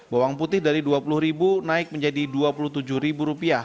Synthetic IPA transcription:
bawaŋput̪ɪhdaɾiduapulʊhɾibunaɪk̚məɲd͡ʒadiduapulʊht̪ud͡ʒʊhɾibuɾupia

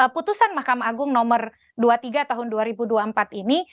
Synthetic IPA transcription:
əput̪usanmahkamaaɡʊŋnɔmər | duat̪iɡat̪aɦʊnduaɾibuduampat̪ini

